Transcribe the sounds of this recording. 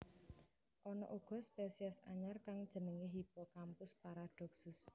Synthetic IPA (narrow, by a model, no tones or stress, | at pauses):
ʔɔnɔ̰ʔuɡ̥ɔ̤spesiɛsa̰ɲarkaŋd̥ʒ̥ə̤nəŋeɦipɔkampʊspaɾad̥ɔ̤ksʊs